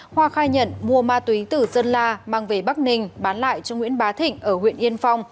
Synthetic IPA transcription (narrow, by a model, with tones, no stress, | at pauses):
hwaː˧xaː˧jɲə̰˧˥˨nmu˧əmaː˧t̪wi˨˦t̪ɨ˧˩zə˧nlaː˧maː˨˩ŋve˧˩ɓa˦˥k̚nï˨˩ŋ̟ɓaː˨˦nla̰ː˧˨jt͡ɕɔ˧ŋḭ˧˥ənɓaː˨˦t̪ʰï˧˨ŋ̟ʔəː˧˩hwḭ˧˨ənʔi˧ənfa˧wŋ͡m